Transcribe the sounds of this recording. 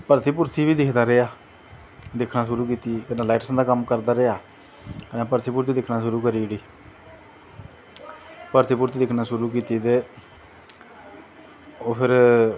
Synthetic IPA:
pəɾt̪iːpʊɾt̪iːʋiːd̪ɪkʰd̪aːɾeaː | d̪ɪkʰnaːʃʊɾuːkiːt̪iːkənãːlaːɪʈsãnd̪aːkəmkəɾd̪aːɾeaː | kənãːpəɾt̪iːpʊɾt̪iːd̪ɪkʰnaːʃʊɾuːkəɾiːɽiː | pəɾt̪iːpʊɾt̪iːd̪ɪkʰnaːʃʊɾuːkiːt̪iːt̪eː | oːpʰɪɾ

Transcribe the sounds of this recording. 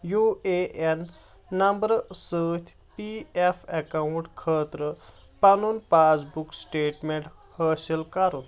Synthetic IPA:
jueʔenː | ɐmbəɾsəːt̪ʲʰ | piefekauɳʈkʰəːt̪ɾə | pɐnunpat͡sbuksʈeːʈmeɳʈ | həːselkaɾun

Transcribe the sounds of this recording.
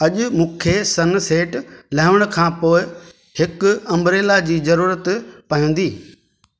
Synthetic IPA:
ɐʄʊ̆mũːkʰesɐnseːʈlɐɦɪʋɪɽ̃ʊkʰãːpoːɪ | hɪkʊɐ̃mɾeːlad͡ʑiːzɐɾuːɾət̪pɐɦə̃n̆d̪iː

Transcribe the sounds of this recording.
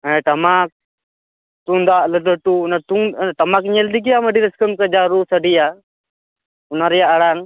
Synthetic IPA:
ɛʈamak̚ | t̪uŋd̪aʔlələʈunat̪uŋʈamakɲɛld̪ik̬ijaməɖiɾəskəmkəd͡ʒaɾusəɖija | unaɾɛjaʔːɽaŋ

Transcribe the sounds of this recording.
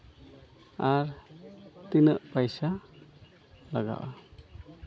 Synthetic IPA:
aɾ | t̪inəʔpajsa | laɡa̰wa

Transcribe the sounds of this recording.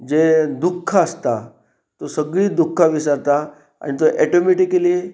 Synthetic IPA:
d͡ʑed̪ukʰːəəst̪a | t̪osəɡɭiːd̪ukʰːaʋisaɾt̪a | a̰ɽ̃it̪oʔɛʈomeʈikəli

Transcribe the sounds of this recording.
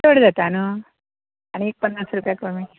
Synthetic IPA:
oəɽd͡zat̪anu | aɽ̃iek̚pəndasɾupjakomi

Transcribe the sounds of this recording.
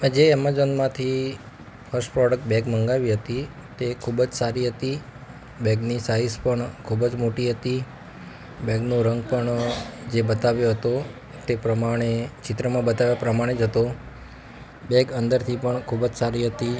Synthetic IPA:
ə̃d͡ʒeɛməɾzənmãt̪ʰi | fʰəɾsʈpɾɔɖək̚ʈbɛɡməŋɡaʋiɦət̪i | t̪ekʰubd͡ʒsaɾiɦət̪i | bɛɡnisaispəɳkʰubd͡ʒmoʈiɦət̪i | bɛɡnũɾəŋɡpəɳd͡ʒebət̪aʋjoɦət̪o | t̪epɾəmaɽ̃et͡ʃɪt̪ɾəmãbət̪aʋjapɾəmaɽ̃ed͡ʒɦət̪o | bɛɡənd̪əɾt̪ʰipəɳkʰubd͡ʒsaɾiɦət̪i

